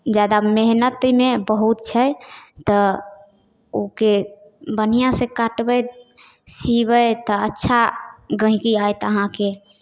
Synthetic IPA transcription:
d͡ʒad̪ameɦnət̪mebəɦut̪̚t͡ʃʰəjt̪ə | oke | bənijãsekaʈbəj | siβəjt̪ɔətːʃʰaɡə̃ɦikiajt̪əɦãke

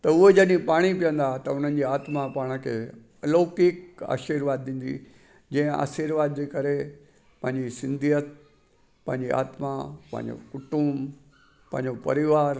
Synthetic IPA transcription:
t̪ɐʊɦed͡ʑɐɗĩpaːɽ̃ipijə̃nd̪at̪ɐʊn̤ən̆d͡ʑiːaːt̪mapaːɽ̃əkʰeː | ɐloːkɪka̰ːʃiɾʋaːd̪ːĩːn̆d̪ḭ | d͡ʑɐ̃ɦə̃ʔa̰ːsiɾʋaːd̪̚d͡ʑeːkɐɾe | pɐ̃ɦɪ̃ɲd͡ʑisɪ̃nd̪ʱijət̪̚ | pɐ̃ɦɪ̃ɲd͡ʑia̰ːt̪mapɐ̰̃ɦɪ̰̃ɲd͡ʑo̰kʊʈʊmb | pɐ̃ɦɪ̃ɲd͡ʑopɐɾɪʋaːɾ

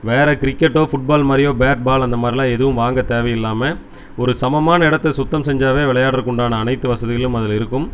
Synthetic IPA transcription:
ʋeːɾɛkɪɾɪkːɛʈːoːfʊʈ̚baːlmaːɾɪjoːbeːʈ̚baːlɐnd̪ɐmaːd̪ɾɪlaːɛðɯʋɯmʋaːŋɡɐt̪eːʋɐjɪlːaːmɐ | ɔɾɯsɐmɐmaːnɐɪɽɐt̪ːɐsʊt̪ːɐmsɛɲd͡ʒaːʋeːʋɪɭɐjaːɽɪɾɯkːʊɳɖaːnɐːnɐɪt̪ːɯʋɐsɐðɯɣɐɭɭɯmɐðɪlɪɾɯkːɯm

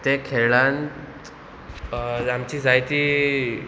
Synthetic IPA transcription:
t̪ekʰeɭãnt̪ | amt͡ɕiːd͡zajt̪iː

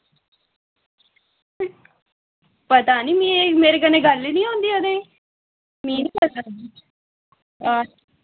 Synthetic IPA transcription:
pət̪aːniːmĩːemeːɾeːkəneːɡəlːiːnĩːɦõːnd̪iːod̪ẽː | mĩːniːpət̪a | a

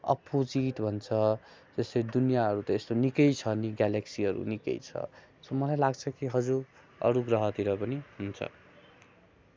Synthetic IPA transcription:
ʌ̰pod͡ziʈbʱʌnt͡sʰʌd͡zʌsʌɾid̪unijaɦʌɾut̪ʌest̪onikʌjt͡sʰʌniɡaleksiɦʌɾṵnikʌ̰jt͡sʰʌ̰somʌlajlaɡt͡sʰʌkiɦʌd͡zuɾ | ʌ̰ɾuɡrʌɦʌt̪iɾʌpʌniɦunt͡sʰʌ̰

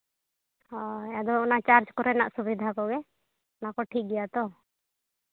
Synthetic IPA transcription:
ɔɛjad̪ɔɔnat͡ʃaɾd͡ʒkɔɾɛna̰ʔsubid̪ʱakɔɡɛ | ɔnakɔʈʰik̚ɡɛjat̪ɔ

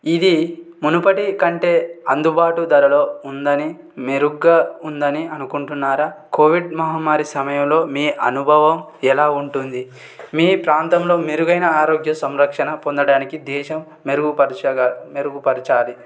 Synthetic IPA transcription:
id̪imunupɐʈikɐɳʈeːɐ̰nd̪ubaːʈud̪ɐɾɐlo̞ːund̪ɐni | meɾuɡːɐːund̪ɐniɐnukuɳʈunːaːɾaːko̞ːʋiɖmɐɦɐmːaːɾisɐmɐjɐmlo̞ːmiːʔɐnubʱɐʋɐm | ɛlaːuɳʈund̪i | miːpɾaːnt̪ɐmlo̞ːmeɾuɡɐjnɐaːɾoːɡjɐsɐmɾɐkʂɐnɐpond̪ɐɽaːnikid̪ɛːʃɐmː | eɾuɡupɐɾmeɾuɡupɐɾit͡ʃaːli

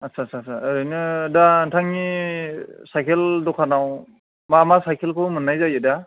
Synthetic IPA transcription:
asʰasʰasʰaɾɯjnɯdantʰaŋi | sajkʰeldɔkʰanaw | mamasajkʰelkʰɯmɯnːajzajɯda

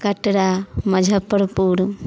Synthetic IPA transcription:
kɐʈɽamɐd͡ʒʱəpːəɾpuːɾ

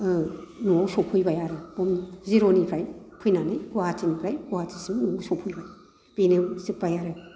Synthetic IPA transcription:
nuowsopʰujbajaɾɯbomziɾonipʰɾajpʰujnanɯjɡuatinipʰɾajkuatisimnuwsopʰujbaj | b̥enɯsik̚bajaɾɯ

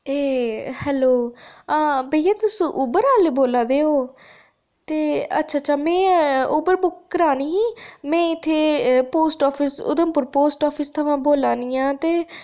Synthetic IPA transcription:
eːhɛːloːaːbəijaːt̪ʊsũːʔʊbəɾaːleːboːlaːd̪eːoː | t̪eːə̰tːʃʰaːt͡ʃʰaːmɛ̃ːʊbəɾbʊkːəɾaːniːɦiːmɛ̃ːɪt̪ʰːeːpoːsʈɔːpʰɪsʊ̰d̪əmpʊɾpoːsʈɔːpʰɪst̪ʰəʋãːboːlaːniːãːt̪eː

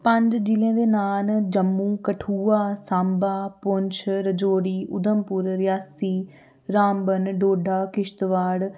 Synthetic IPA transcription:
pəɲd͡ʒd͡ʒilẽːd̪eːnaːnd͡ʒəmːũːkəʈʰuːaːsãːmbaːpʊɲt͡ʃʰɾəd͡ʒoːɽiːʔʊd̪əmpʊɾɾɪjaːsiː | ɾaːmbənɖoːɖʱaːkɪʃt̪ʋaːɽ

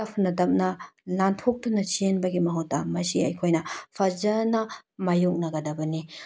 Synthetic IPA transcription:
ɐpʰɐnɐtɐp̚nɐlantʰok̚tunɐt͡ʃienbɐɡimɐɦotːɐ̰mɐsiɐ̰jkʰojnɐpʰɐzɐnɐmajok̚nɐɡɐdɐbɐni

